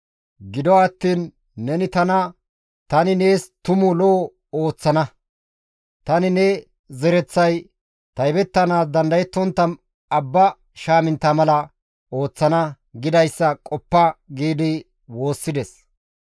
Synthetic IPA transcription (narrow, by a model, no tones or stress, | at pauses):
ɡɪd̪ɔɐt̪ːiːnː | ɛnɪt̪ɐnɐ | t̪ɐnɪne̞ːst̪ʊmʊlɔː | oːt͡sːɐnɐ | t̪ɐnɪnɛ | zɛɾɛt͡sːɐj | t̪ɐjbɛt̪ːɐnaːs̬d̪ɐnd̪ɐjɛt̪ːɔnt̪ːɐn | ɐbːɐ | ʃaːmɪnt̪ːamɐlɐ | o̞ːt͡sːɐnɐ | ɡɪd̪ɐjsːɐkʼɔpːɐɡiːd̪ɪ | wo̞ːsːɪd̪ɛs